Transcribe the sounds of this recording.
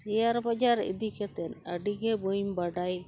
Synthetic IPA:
sijaɾbad͡ʒaɾḭd̪ikɛt̪ɛnəɖiɡebojmbaɖaj

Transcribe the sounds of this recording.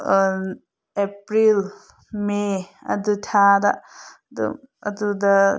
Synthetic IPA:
n | epɾil | meɐ̰d̪utʰada̰ | dṵ | ɐ̰dudɐ

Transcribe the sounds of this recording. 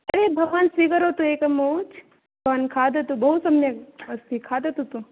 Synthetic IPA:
ɐɐɾebʱɐɡʋansʋiɡɐɾot̪ũeːkɐmoːt͡ʃ | bʱɐʋankʰaːd̪ɐt̪ũbɐɦusɐmnjɐɐst̪ʰikʰaːd̪ɐt̪ut̪ũ

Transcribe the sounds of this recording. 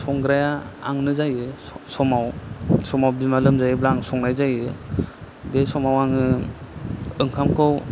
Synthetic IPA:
sɔŋɡɾajaa̰ŋnɯzajɯsɔmawsɔmawbimalɯmzajɯblaŋsɔŋnajzajɯ | besɔmawaŋɯ | ɯŋkʰamkʰɯw

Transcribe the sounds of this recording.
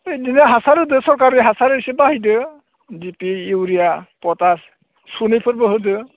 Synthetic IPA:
ejdinaɦasaɾɯdɯsɔɹkaɾiɦasaɾɯsibaɦidɯ | dipiiwɾijapɔtas | sunipʰɯɾbəɦɯdɯ

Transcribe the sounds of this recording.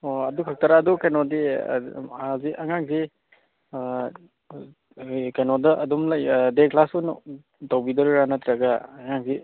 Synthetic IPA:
oɐdukʰak̚taɾaːdukajnɔdḛ | aziʔaŋaŋzi | kajnɔdɐʔɐdumlajdeklasun | tawbidɔɾɾanatɾaɡaːŋaŋzi

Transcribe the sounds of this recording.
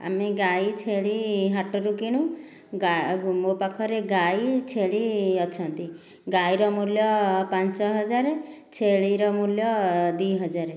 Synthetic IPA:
a̰meɡajt͡ʃʰeɭiɦaʈɔɾukiɽ̃ũ | ɡaɡumopakʰɔɾeɡajt͡ʃʰeɭiɔt͡ʃʰɔnt̪i | ɡaiɾɔmuljɔpant͡ʃɔɦɔd͡ʒaɾet͡ʃʰeɭiɾɔmuljɔd̪iɦɔd͡ʒaɾe

